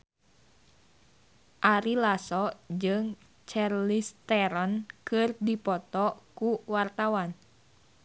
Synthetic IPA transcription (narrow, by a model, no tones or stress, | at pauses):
ʔaɾilasɔd͡ʒɨŋ | t͡ʃarlist̪ɛɾɔnkɨrdipɔt̪ɔkuwart̪awan